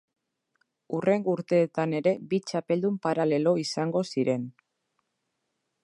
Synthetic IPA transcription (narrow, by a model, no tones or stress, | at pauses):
ure̞ŋɡuɾt̪e̞ːt̪ane̞ɾe̞bit͡ʃape̞ld̪umpaɾale̞lo̞isaŋɡo̞siɾe̞n